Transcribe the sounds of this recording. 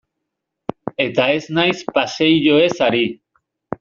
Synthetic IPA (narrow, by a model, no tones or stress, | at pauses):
e̞t̪ae̞znajspasejʝoe̞saɾi